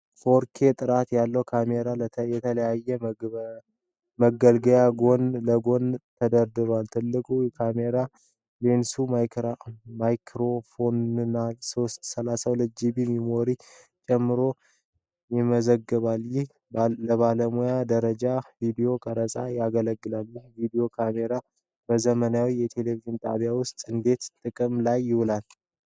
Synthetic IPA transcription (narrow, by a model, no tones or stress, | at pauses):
fo̞ɾkʰe̞t̪ʼɨɾat̪jalːəwkʰameɾaljɛt̪ʰələjajːɛ | məɡəlɡəjaɡo̞nləɡont̪ʰəd̪əɾd̪ɨɾalt̪ʰɨlːɨkʼujɛkʰame̞ɾa | lensu | majkʰɾo̞fonɨnːasost̪səlasawlɨd͡ʒibimimo̞ɾi | t͡ʃʼɛmːɨɾo̞ | jɪməzəɡːɨβaljɪh | ləβaləmujad̪əɾəd͡ʒavid̪ijo̞kʼəɾəsʼajaɡələɡːɨlalːvid̪io̞kʰame̞ɾa | b̥əzəmənawijɛt̪ʰe̞le̞viʒɪnt̪ʼa̰βjawʊst̪ʼɨnd̪e̞t̪t̪ʼɨkʼɨmlajːɪwʊlal